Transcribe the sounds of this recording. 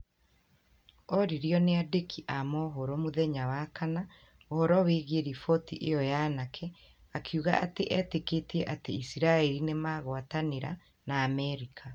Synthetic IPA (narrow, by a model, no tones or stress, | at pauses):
ɔɾiɾjɔneadekʰiʔamɔɦoɾomoðɛɲawakana | ohɔɾɔweːɣeɾifɔtiʔejɔjanakʰɛ | akʰuɣa̰ʔateʔɛteketiɛʔateisiɾaɛɾinemaɣwataneɾa̰ | naːmɛɾikʰa